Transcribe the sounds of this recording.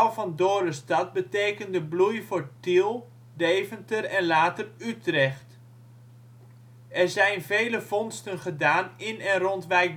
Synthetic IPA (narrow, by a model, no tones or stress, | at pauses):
lˠvɑndoːrəstɑt̚bəteːkəndəblujvoːɹtilˠ | dejvəntərɛnlaːtərytrɛχt | ɛrzɛjnvejləvɔnstənχədaːnɪnɛnrɔntʋɛjk̚